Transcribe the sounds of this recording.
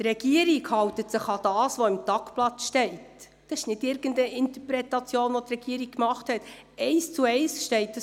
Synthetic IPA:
t̪rɛɡ̥iəɾiɡhɑwtətsɪχɑd̥ɑːsʋoɪmtɑkplɑt͡sʃtɛɪt | d̥ɑɪʃnɪdɪɾɡ̥əndəʔɪnt̪əpɾɛtɑt͡sjoːnʋot̪rɛɡ̥iəɾik̚kmɑχthɛtɛɪst͡suɛɪsʃtɛɪt̚d̥ə

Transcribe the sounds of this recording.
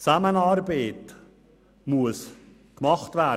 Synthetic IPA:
t͡sæmənɑːɾbeːt | muəs | kmɑχtvæ

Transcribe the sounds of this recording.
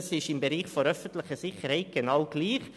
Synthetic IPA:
sɪʃɪmbəɾiːχfɔɾœfən̩t̪lɪχəsɪxəɾhæɪt̪̚ɡ̥ənɑʊɡ̥liːχ

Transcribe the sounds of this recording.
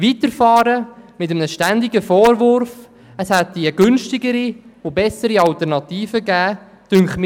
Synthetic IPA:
ʋit̪əɾfɑːɾəmɪt̬əmənəʃtænd̪ɪɡəfɔːɾvʊɾf | əshɛt̪ːiəɡʏnʃtɪɡəɾiʊbɛsəɾiɑlt̪əɾnɑt̪iːfəɡæː | d̥ʏŋχm

